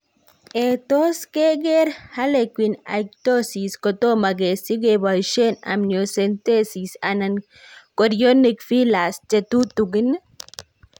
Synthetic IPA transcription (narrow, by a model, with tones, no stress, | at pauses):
e˧t̪o˦ske˦ɡe˦ɾha˦le˧kʷi˧na̰˨k̚t̪o˦si˨sko˧t̪o˦maɡe˨si˦ɡe˧ba˧jʃe˦na̰˨mno˧se˧nt̪e˦si˨sanan | ko˧ɾjo˦nekfi˦la˨st͡ʃe˧t̪u˦t̪u˧ɡi˦n